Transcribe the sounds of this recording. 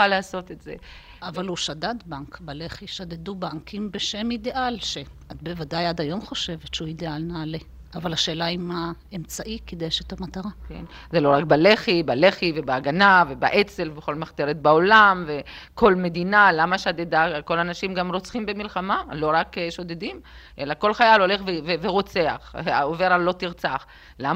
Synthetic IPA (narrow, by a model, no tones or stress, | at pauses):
alaaso̞t̪etzḛ | avaluʃadat̪baŋkbale̞χiʃadedubaŋkimbeʃe̞mideʔalʃe | at̪bevadajadajo̞mχo̞ʃe̞vetʃeuid̪ealnaːle̞ | avalhaʃe̞ːlaima | emt͡saʔikid̪eʃetamataʁakḛnzelo̞ʁak̚bale̞χibale̞χive̞beaɡanave̞baʔet͡se̞lveχo̞lmaχt̪eʁet̪̚bao̞lamvekʰo̞lme̞d̪inalamaʃad̪edako̞lanaʃimɡamʁot͡sχimbemilχamalo̞ʁakʃo̞d̪ed̪im | ʔe̞lako̞lχajalo̞le̞χveveveʁo̞t͡se̞a̰χaove̞ʁalːo̞tiʁt͡saχ | lam